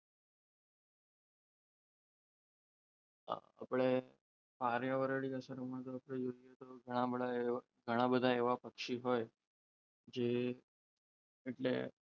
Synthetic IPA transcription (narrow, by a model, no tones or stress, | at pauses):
a̰pɭe | faɾjaʋəɾəɭiəsəɾəmə̃t̪oapɽejoɾjet̪oɡʱəɽ̃abəɽae | ɡʱəɽ̃abəd̪ʱaeʋapəkʂiɦoj | d͡ʑe | ʈlḛ